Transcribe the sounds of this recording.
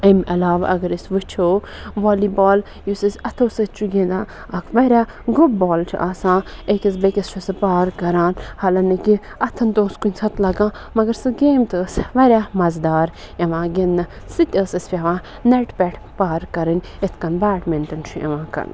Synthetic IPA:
ɐmʔɐlaːʋa̰ʔɐɡɐɾisʋɨt͡ʃʰoː | ʋoːlibaːl | jusɐsʲɐt̪ʰoːsɐt͡ʃʰuɡʲẽnd̪ãː | ɐkʰʋɐɾʲaː | ɡɾup̚boːlt͡ʃʰḭʔaːsãːekʲɐs̬bekʲɐst͡ʃʰusɨpaːɾkɐɾãːnhɐlɐnɐki | ɐt̪ʰɐnt̪oːskunʲsʰɐt̪ʰlɐɡãː | mɐɡɐɾsɨɡeːmt̪ɨsʋɐɾʲjaːmɐzd̪aːɾ | ɐʋãːɡʲenːɐ | sɨt̪ʲəːsɐsʲfʲɐʋãː | neʈpʲɛʈʰpaːɾkɐɾɨnʲ | et̪ʰkɐnbaːʈmẽnt̪ɨnt͡ʃʰujɐ̰ʋãːkɐ̰ɾn

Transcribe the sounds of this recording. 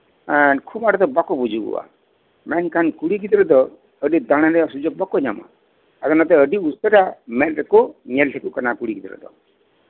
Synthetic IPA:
ankʰumaɽɔt̪ɔbakɔbud͡ʒʱuɡṵwa̰ | mɛnkankuɽiɡit̪ɾɔd̪ɔ | əɖid̪aɽ̃aɾɛasud͡ʒɔk̚bakɔɲa̰ma̰ | at̪ɔnat̪ɛəɖiusɔɾamɛtɾɛkɔɲɛlʈʰɛkuʔkanakuɽikit̪ɾɔ̰d̪ɔ̰

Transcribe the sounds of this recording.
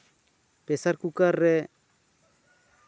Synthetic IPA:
pesaɾkukare

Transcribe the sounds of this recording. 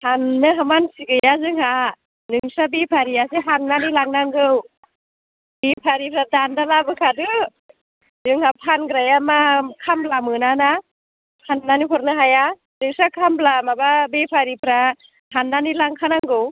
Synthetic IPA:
hanːɯɦamansiɡɯjazɯŋha | nɯŋsabepʰaɾijaseɦaŋnanilaŋnaŋɡɯw | bepʰaɾipʰɾadandalabɯkʰadɯ | zɯŋhapʰanɡɾajamakʰamblamɯnana | pʰanːanipʰɔɾnɯɦaja | zɯŋsakʰamblamababepʰaɾipʰɾa | hanːanilaŋkʰanaŋɡɯw

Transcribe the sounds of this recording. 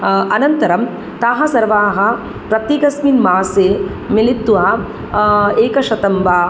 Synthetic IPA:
ɐnɐnt̪ɐɾɐm | t̪aːɦɐsɐɾʋaːɦɐ̆ | pɾɐt̪iɡɐsminmaːseː | milit̪ːʋaː | eːkɐʃɐt̪ɐmbaː

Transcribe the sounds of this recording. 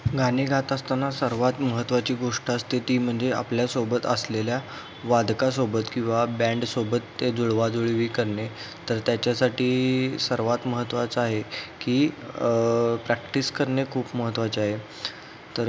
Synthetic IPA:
ɡaniɡʱat̪ast̪anːasəɾʋat̪məɦət̪ːʋat͡ɕiːɡoʂʈəst̪it̪iːm̤əɳd͡zea̰pljasobət̪əslelja | ʋad̪kasobət̪kĩw̃ʋabæ̃ɳɖsobət̪ːed͡zuɭʋad͡zoɭiʋiːkəɾɳe | t̪əɾt̪jat͡ɕjasaʈiːsəɾʋat̪məɦət̪ːʋat͡saɦekiː | pɾækʈiskəɾɳekʰuːpməɦət̪ːʋat͡ɕiaɦe | t̪əɾ

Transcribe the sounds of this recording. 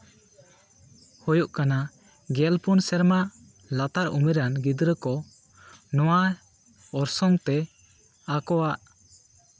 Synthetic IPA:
hɔjuʔkana | ɡɛlpunsɛɾma | lat̪aɾṵmiɾanɡid̪ɾəkɔ | nɔwa | ɔɾsɔŋt̪ɛ | akɔwaʔ

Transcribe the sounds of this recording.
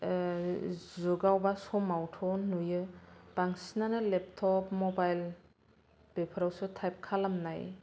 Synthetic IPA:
zuɡawbasɔmawtʰɔnːujɯb̥aŋsinanɯlep̚tʰɔpmɔbajl | b̥epʰɯɾawsɯtʰajp̚kʰalamnaj

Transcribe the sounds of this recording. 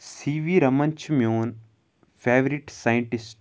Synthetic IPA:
siːʋiːɾɐmɐɲt͡ʃʰumjoːn | fʰeːʋɾiʈsajiɳʈisʈ

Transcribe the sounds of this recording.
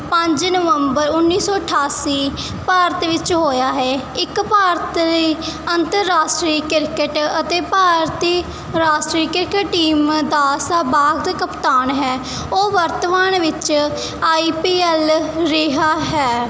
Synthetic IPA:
pə̃ɲd͡ʒnəʋəmbəɾʊnːiːsɔːəʈʰaːsiː | paːɾt̪ʋɪt͡ʃɦoːjaːɦɛːɪkpaːɾət̪iːənt̪əɾːaːsʈɾiːkɪɾkəʈət̪eːpaːɾt̪iː | ɾaːsʈɾiːkɪɾkəʈʈiːmd̪aːsabaːɡd̪kəpt̪aːnɦɛː | oːʋəɾt̪ʋaːnʋɪt͡ʃ | aːiːpiːɛːlɾɪɦaːɦɛː

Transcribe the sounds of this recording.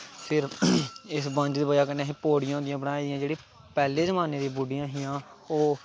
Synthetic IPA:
pʰɪɾɪsbə̃ɲd͡ʒd̪iːbəd͡ʒaːkəɾneaːɦiːpoːɽɪjãːd̪ɪjãːbəɽaːiːd̪ɪjãːd͡ʒeːɽiː | pɛːleːzəmaːneːd̪ibuɖijãːɦɪjãː | oː

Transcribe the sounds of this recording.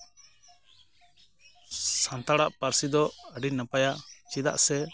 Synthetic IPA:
sãnt̪aɽaʔpaɾsid̪ɔəɖinəpajaʔt͡ʃid̪a̰ʔsɛ

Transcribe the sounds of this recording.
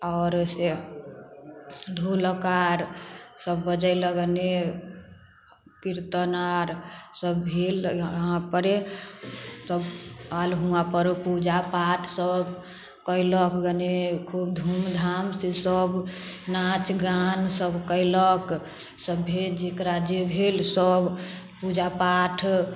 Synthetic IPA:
ɔʊɾse | d̪ʱuləkaɾsəbːəd͡ʒəɪləɡəne | kiɾt̪ənaɾsəbbʱilɦãpəɾe | səbalɦuãpəɾpud͡ʒapaʈʰsəb | kəɪləkɡənekʰubd̪ʱumd̪ʱamsesəbnat͡ʃɡansəbʱkəɪlək | səbːʱed͡ʒekɾad͡ʒebʱelsəb | pud͡ʒapaʈʰ

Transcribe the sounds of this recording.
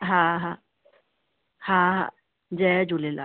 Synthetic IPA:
ɦãɦã | hãɦã̰ | d͡ʒɛd͡ʒulela̰

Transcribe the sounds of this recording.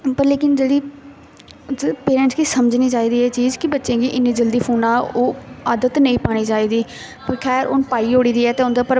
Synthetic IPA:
pəɾleːkɪnd͡ʒeːɽiː | peːɾɛ̃ːɳʈskisəməd͡ʒniːt͡ʃaːiːd̪iːɛːt͡ʃiːzkɪbətːʃẽːɡiːʔɪnːĩːd͡ʒəld̪iːpʰuːnãːoːaːd̪ət̪nəĩːpaːɽ̃iːt͡ʃaːiːd̪iː | pəɾkʰɛːɾʔo̰npaːiːoːɽiːd̪iːɛːt̪eːʊ̃nd̪aːpəɾ

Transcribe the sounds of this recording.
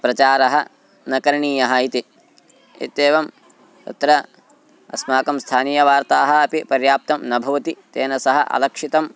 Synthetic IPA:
pɾɐt͡ʃaːɾɐɦɐ | nɐkɐɾɳiːjɐɦɐit̪i | ḭt̪eːʋɐm | t̪ɐ̰t̪ɾɐ | ɐ̰smaːkɐmst̪ʰaːniːjɐʋaːɾt̪aːɦɐ̆ɐpipɐɾjaːp̚t̪ɐmnɐbʱɐʋɐt̪it̪eːnɐsɐɦɐʔɐ̰lɐkʂit̪ɐm

